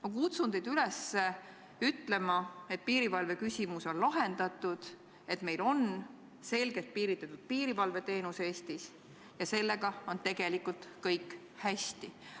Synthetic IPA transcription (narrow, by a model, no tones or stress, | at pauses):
mɑkut̪sund̪ed̪ylese | yt̪ˑle̞mɑe̞t̪̚piːɾivɑlve̞kysʲimuso̞nlɑɦe̞nd̪̥ɑt̪ːˑud̪̥ | e̞t̪me̞jlo̞n | se̞lɡ̥e̞t̪̚piːɾit̪ːˑɑt̪ːud̪̥̚piːɾivɑlve̞t̪e̞ːnuse̞ːst̪is | jɑse̞lːeɡ̥ɑo̞nt̪e̞ɡ̥e̞likult̪kɤjkːˑ | hæst̪i